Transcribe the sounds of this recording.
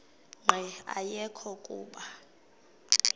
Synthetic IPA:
ŋ͡ǃʱɛa̰jɛkʰɔkʼuːɓa

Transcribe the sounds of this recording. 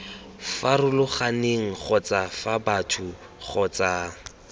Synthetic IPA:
farʊlʊχaneŋ̩χɔt͡safabatʰʊ | χɔt͡saː

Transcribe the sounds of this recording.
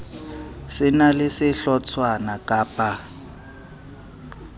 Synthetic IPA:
sɪnalɪsɪɬɔt͡sʰwanakʼaːpʼa

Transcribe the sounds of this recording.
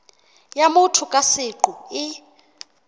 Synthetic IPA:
jamʊtʰʊkʼasɪǃuɪ

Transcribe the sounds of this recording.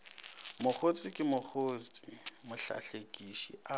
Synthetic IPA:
mʊk͡xʰot͡sʼɪkʼɪmʊk͡xʰoːst͡sʼimʊɬa̰ɬekʼiʃḭʔa

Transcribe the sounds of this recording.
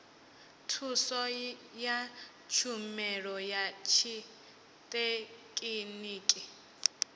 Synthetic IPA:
tʰusɔja | t͡ʃʰumɛɺɔjat͡ʃʰi | tʼekʼiniːkʼi

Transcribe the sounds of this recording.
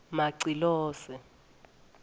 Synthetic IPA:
maǀilɔːsɛ

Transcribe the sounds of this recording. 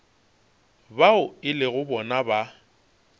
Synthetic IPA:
baʊɪlɪɣʊbɔnaba

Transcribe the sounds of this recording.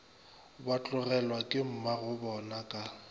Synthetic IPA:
bat͡ɬʼʊɣɛlwakʼɪm̩maɣʊbɔnakʼa

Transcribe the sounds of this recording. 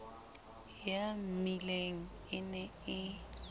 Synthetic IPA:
jamileŋ̩ | ɪnɛɪ

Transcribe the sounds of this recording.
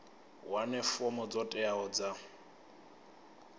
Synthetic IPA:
wanɛfɔmɔd͡zɔtʼɛaɔd͡za

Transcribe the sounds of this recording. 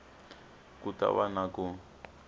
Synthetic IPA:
kuta̰βanaku

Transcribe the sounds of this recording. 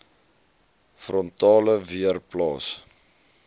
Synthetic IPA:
frɔntɑːləviərplɑːs

